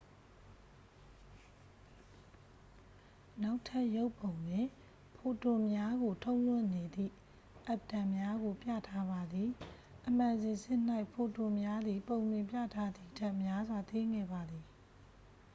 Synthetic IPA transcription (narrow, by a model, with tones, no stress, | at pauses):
na˦ʊtʰa˦ʔjo˦ʊpõ˨ʊ̃nwɪ̃˨ | pʰo˨to˨mja˦ɣo˨tʰõ˦ʊ̃lwʊ̃˦˨ne˨d̪ḭ˦˨ | ʔa˦p̚tã˨mja˦ɣo˨pjä̰˦˨tʰa˦βa˨d̪ði˨ | ʔəm̥ã˨nzɪ̃˨sɪ̃˦n̥a˦ɪʔpʰo˨to˨mja˦d̪ði˨põ˨ʊ̃nwɪ̃˨mpja̰˦˨tʰa˦d̪i˦˨dʰa˦ʔmja˦zwa˨t̪we˦˨ŋɛ̰˦˨ba˨d̪ði˨